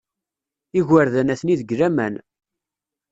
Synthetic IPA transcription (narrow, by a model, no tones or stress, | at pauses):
iɣəɾðænæθniðəɡɾæmæn